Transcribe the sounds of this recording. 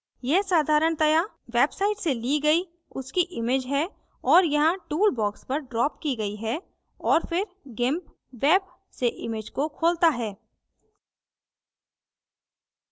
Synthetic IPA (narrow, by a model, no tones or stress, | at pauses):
jɛɦsaːd̪ʱaːɾəɳt̪ɐja | ʋeːbsaːɪʈseliɡɐi | ʊskiʔɪmeːd͡ʒɦɛ | ɔːɾjɐɦãʈuːlbɔːkspɐɾɖɾɔːpkiɡɐiɦɛ | ɔːɾfɪɾ | ɡɪ̃mp | ʋeːb̚ | seʔɪmeːd͡ʒkokʰoːlt̪aɦɛː